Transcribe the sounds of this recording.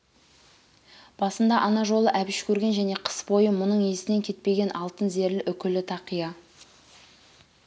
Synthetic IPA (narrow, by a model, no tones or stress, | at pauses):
b̥ɑsənd̪ɑʔɑnɑʒo̞lˠəʔæbɪʃkʲʰɵɾɡʲe̞nʒæne̞qʰə̥sbo̞jəmʊnəɴe̞sɪne̞ŋkʲʰe̞t̪̚pe̞ɡʲe̞nʔɑlˠt̪ənze̞ɾlɪʔʏkʲɪlɪt̪ʰɑqijɑ